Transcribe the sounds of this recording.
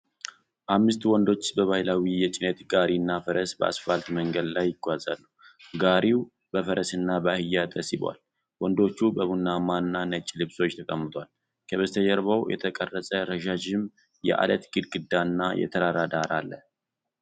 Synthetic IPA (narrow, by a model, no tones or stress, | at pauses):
ʔamːɨst̪wɔnd̪o̞t͡ʃːbəβajlawijɛt͡ʃʼɪnət̪ɡaɾinːafəɾʔəsbəʔa̰sfalt̪məŋɡəd̪lajːɪɡːʷaza̰lːəw | ɡaɾiw | bəfəɾəsɨnːabəahɨjːat̪ʰəsiba̰l | wɔnd̪o̞t͡ʃːubəβunːamanːanət͡ʃʼːlɨβso̞t͡ʃːt̪ʰəkʼəmːɨt̪ʰwal | kʰəβəst̪ʰəjɛɾβawjɛ̰t̪ʰəkʼərːəsʼəɾəʃad͡ʒɪm | jɛ̰ʔa̰lət̪ɡɨd̪ɡɨd̪ːanːajɛ̰t̪ʰəɾad̪ad̪aɾalːə